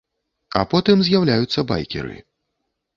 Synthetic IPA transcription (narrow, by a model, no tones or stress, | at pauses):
ɐ̰pɔt̪ɨmzʲjawlʲajut̪sːɐba̰jkʲɛ̰ɾɨ̰